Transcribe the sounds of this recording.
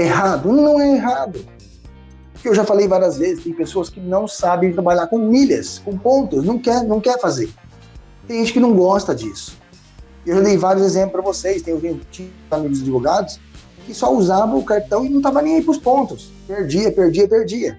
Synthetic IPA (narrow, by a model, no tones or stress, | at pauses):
eɦad̪ʊnɐ̃w̪ɐ̃w̃ɛeɦad̪ʊ | pʊkeewʒafalejvaɾiɐzvezɪst̪ẽj̃pesoɐskɪnɐ̃w̃sabẽj̃t̪ɾabaʎaɾkõmiʎɐ̰skõpõnt̪ʊsnɐ̃w̃kɛɾnɐ̃w̃kɛɾfazeɾ | t̪ẽʒẽt͡ʃɪkɪnɐ̃w̃ɡɔst̪ɐd͡ʒisʊ̥ | ewʒad̪ejvaɾjʊzezẽp̬lʊspɾɐvosejst̪ẽj̃ʊzẽt͡ʃi | amiɡʊzad͡ʒivoɡad̪ʊs | kɪsɔuzavɐ̃ʊkaɾt̪ɐ̃w̃ɪnɐ̃w̃t̪avɐnẽj̃aipʊspõnt̪ʊs | peɾd͡ʒiɐpeɾd͡ʒiɐpeɾd͡ʒiɐ